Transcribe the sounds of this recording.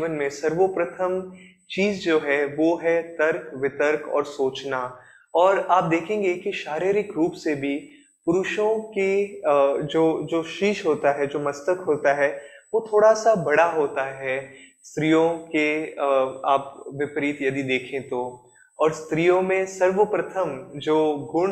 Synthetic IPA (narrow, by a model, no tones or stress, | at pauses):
ʋənmẽsɐɾʋopɾɐt̪ʰəm | t͡ʃiːzd͡ʒoːɦɛʋoɦɛt̪ɐɾkʋɪt̪əɾkɔ̰ːɾsoːt͡ʃna | ɔːɾaːp̚d̪eːkʰẽːŋɡekiʃaːɾiːɾɪkɾuːpsebʱi | pʊɾʊʃõke | d͡ʒoːd͡ʒoːʃiːʃɦoːt̪aɦɛd͡ʒoːmɐst̪əkɦoːt̪aɦɛʋot̪ʰoːɽasabɐɽaɦoːt̪aɦɛst̪ɾijõke | aːpʋɪpɾiːt̪jɐd̪id̪eːkʰẽt̪oː | ɔːɾst̪ɾijõmẽsɐɾʋəpɾət̪ʰəmd͡ʒoːɡʊɽ